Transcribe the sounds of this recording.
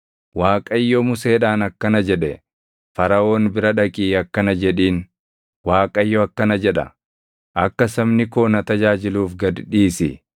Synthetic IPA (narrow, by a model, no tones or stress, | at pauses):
waːkʼɐɪjːɔmʊse̞ːᶑaːnɐkːɐnɐd͡ʒɛᶑɛ | fɐɾɐʔo̞ːnbɪɾɐᶑɐkʼiːɐkːɐnɐd͡ʒɛᶑiːn | waːkʼɐɪjːɔɐkːɐnɐd͡ʒɛᶑɐ̰ | ʔɐkːɐsɐmnɪko̞ːnɐt̪ɐd͡ʒaːd͡ʒɪluːfɡɐd̪ᶑiːsɪ